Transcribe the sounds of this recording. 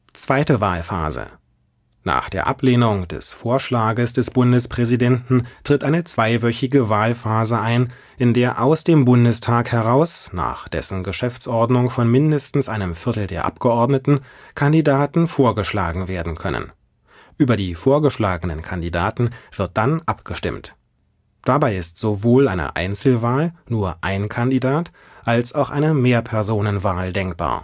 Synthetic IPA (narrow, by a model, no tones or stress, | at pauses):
t͡sv̥aɪtəvaːlfa̰ːzə̰ | na̰ːχd̥eːɐʔa̰pleːnʊŋd̥ɛ̰sfoːɐʃlaːɡəsd̥ɛsb̥ʊndəspʁ̥ɛzidɛntn̩tʁ̥ɪtʔaɪnət͡sv̥aɪvœçɪɡəvaːlfaːzəʔaɪn | ʔɪndeːɐʔaʊsd̥eːmbʊndəstʰaːkhɛʁaʊsna̰ːχd̥ɛ̰sn̩ɡəʃɛft͡sʔɔɐdnʊŋfɔnmɪndəstn̩sʔaɪnəmfɪɐtl̩deːɐʔa̰pɡ̥əʔɔɐdnətn̩kʰandidaːtn̩foːɐɡəʃla̰ːɡŋ̩veːɐdn̩kʰœ̰nə̰n | ʔyːbɐdiːfoːɐɡəʃlaːɡənənkʰandida̰ːtn̩v̥ɪɐt̚d̥anʔapɡ̥əʃtɪ̰mt | d̥abaɪɪstz̥ovoːla̰ɪnə̰ʔa̰ɪnt͡sl̩vaːlnuːɐʔaɪnkʰandidaːt | ʔalsaʊxʔa̰ɪnəmeːɐpʰɛɐzoːnənvaːldɛŋkb̥a̰ːɐ